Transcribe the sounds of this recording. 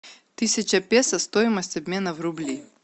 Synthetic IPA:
t̪ɨsʲɐt͡ɕɐpʲesɐst̪ojɪmɐsʲtʲɐbʲmʲe̞nɐvrʊblʲi

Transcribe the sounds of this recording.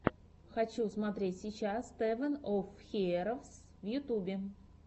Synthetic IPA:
xɐt͡ɕusmɐt̪ɾʲetʲsʲit͡ɕasːt̪ɛvʲənofxʲeɾəfs | vjʊt̪ubʲɪ

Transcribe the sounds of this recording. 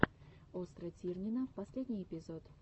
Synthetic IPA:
ost̪ɾət̪ʲirnʲinəpɐsʲlʲedʲnʲɪjepʲɪzot̪

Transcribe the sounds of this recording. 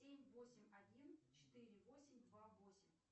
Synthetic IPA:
sʲemʲvosʲɪmʲɐdʲint͡ɕɪ̥t̪ɨɾʲɪvosʲɪmʲd̪vavo̞sʲɪmʲ

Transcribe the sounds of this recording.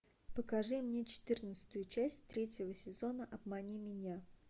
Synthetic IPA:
pəkɐʐɨmnʲe̞t͡ɕɪ̥t̪ɨrnət̪sɨ̥t̪ʊjʊt͡ɕæsʲtʲt̪ɾʲetʲɪvəsʲɪzo̞nəʔɐb̚mɐnʲimʲɪnʲa

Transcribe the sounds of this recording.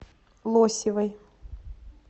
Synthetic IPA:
lˠosʲɪvɐj

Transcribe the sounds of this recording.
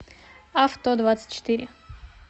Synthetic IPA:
aft̪od̪vat̪sɨ̥t̚ʲt͡ɕːɪ̥t̪ɨɾʲɪ

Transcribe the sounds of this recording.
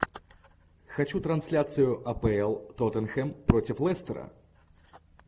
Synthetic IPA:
xɐt͡ɕut̪ɾɐnsʲlʲat̪sɨjʊʔɐpɛɛlˠt̪ɔt̪ənxɛmpɾotʲɪflˠɛst̪əɾə̰

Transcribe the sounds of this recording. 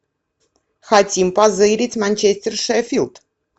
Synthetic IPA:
xatʲimpazɨjɾʲitʲmanʲt͡ʃesʲt̪ʲɛrʂɛfʲilˠt̪

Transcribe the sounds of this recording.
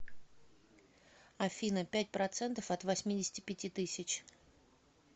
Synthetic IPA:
ɐfʲinəpʲæt̚ʲpɾɐt̪sɛnt̪əfɐt̪vɐsʲmʲidʲɪsʲtʲɪ̥pʲɪtʲit̪ɨsʲɪt͡ɕ

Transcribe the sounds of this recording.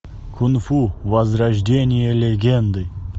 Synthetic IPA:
kʰʊnfuvɐzrɐʒdʲenʲɪjəlʲeɡʲend̪ɨ

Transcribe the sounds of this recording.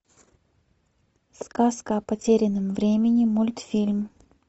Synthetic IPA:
skaskəɐpɐtʲeɾʲɪnɨmvɾʲemʲɪnʲɪmulʲt̪fʲilʲm

